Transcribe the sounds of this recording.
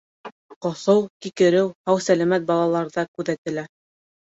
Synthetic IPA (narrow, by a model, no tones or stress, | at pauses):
qŏsɤwkikɘ̆ɾɘwhɑwsælæmæt̪̚bɑlˠɑlˠɑɾðɑkʉðæt̪ɘ̆læ